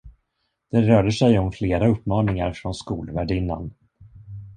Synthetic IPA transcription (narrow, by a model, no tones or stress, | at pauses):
d̪̥ɛɾœːɖəʂɛjɔmfleːɾaɵpːmɑːnɪŋaɾfɾɔnskuːlvæɖɪnːa̰n